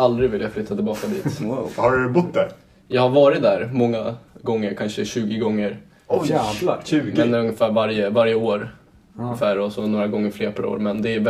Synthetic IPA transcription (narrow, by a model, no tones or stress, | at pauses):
ald̪ɾɪɡvɪljaflʏt̪ːat̪ɪlbɑːkad̪ḭːt̪whaɾdɵbʊt̪̚ːd̪æɾ | jɑːɡhaɾvɑːɾɪt̪̚d̪æːɾmɔŋːaɡɔŋːəɾkʰanʂəɕʉ̟ːɡɪɡɔŋːəɾ | ɔ | ʉːmɛnɛɵŋəfæːɾvaɾjəvaɾjəoːɾ | ŋəfæːɾɔsɔnoːɾaɡɔŋːəɾfleːɾpʰaɾo̰ːɾmɛnd̪ɛæɛ